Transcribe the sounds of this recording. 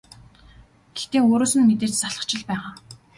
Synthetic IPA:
ɡ̥et̪eːoːɾoːsɘ̆nmet̪eːrt͡ɕsaɮə̆χt͡ɕɪ̆ɮpæːʁaː

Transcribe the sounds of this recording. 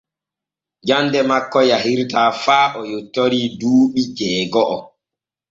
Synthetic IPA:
d͡ʒandɛmakːɔjaɦiɾtaːfaːʔɔjotːoɾiːduːɓid͡ʒɛːɡɔʔɔ

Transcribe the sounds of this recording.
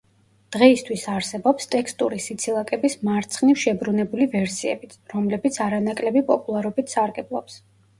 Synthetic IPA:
d̪̥ʁɛist̪ʰwisaɾsɛbɔpst̪ʼɛkst̪ʼṵɾisit̪sʰilˠakʼɛbismaɾt̪sʰχnifʃɛbɾunɛbulivɛɾsiɛ̰bit̪ɾɔmlɛbit̪sʰaɾanakʼlɛbipʼɔpʼulˠaɾɔbit̪ʰsaɾɡɛblˠɔ̰ps

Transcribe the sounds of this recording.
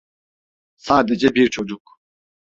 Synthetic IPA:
saːd̪ɛd͡ʒɛbiɾt͡ʃʰɔd͡ʒuk

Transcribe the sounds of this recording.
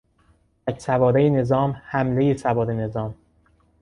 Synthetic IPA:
æcsævɒːɾejene̞zɒːmhæmlejesævɒːɾene̞zɒːm

